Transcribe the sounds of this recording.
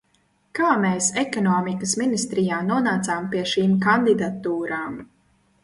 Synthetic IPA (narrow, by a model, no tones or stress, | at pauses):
kaːmeːsɛkɔnɔːmikəsminist̪ɾijaːnuɔnaːt̪saːmpiɛʃiːmkand̪id̪at̪ːuːɾaːm